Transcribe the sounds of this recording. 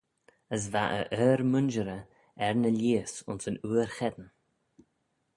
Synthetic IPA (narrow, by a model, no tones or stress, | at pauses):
əs̬vaʔə̰ʔœːɾmʊnʒəɾə | ɛɹnəlʲiːəsʊ̰nsənuːəɾxɛd̪ən